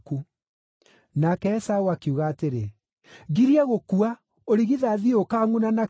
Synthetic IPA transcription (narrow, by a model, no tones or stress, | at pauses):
ku | nakɛːsauakeuɣaːteɾe | ɡiɾiaɣokua | oɾiɣiðaðiokaːŋunana